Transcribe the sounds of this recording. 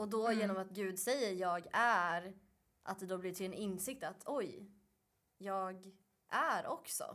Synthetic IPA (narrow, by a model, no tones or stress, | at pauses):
ɔd̪ɔjeːnɔmat̪ɡʉ̟ːd̪sɛjːəɾjɑːɡæɾ | ʔa̰t̪̚d̪ɛd̪ɔːblɪʈʰɪlɛnɪnsɪk̚t̪at̪ʰɔj | jɑːɡ | ʔæɾʔɔksɔ̰